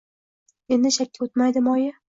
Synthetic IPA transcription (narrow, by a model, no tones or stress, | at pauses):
e̞nd̪ɪʃakʲːaot̪majd̪ɪmɒjɪ